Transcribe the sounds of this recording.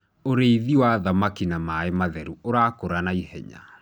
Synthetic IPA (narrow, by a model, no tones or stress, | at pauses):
oɾeiðiwaðamakinamaemaðɛɾuoɾakoɾanaihɛ̰ɲa̰